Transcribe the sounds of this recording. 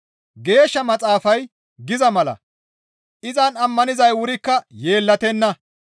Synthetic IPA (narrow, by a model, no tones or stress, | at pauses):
ɡe̞ːʃːɐmɐt͡sʼaːfɐj | ɡɪzɐmɐlɐ̰ | ʔɪzɐnɐmːɐnɪzɐjwʊɾɪkːɐje̞ːlːɐt̪ɛnːɐ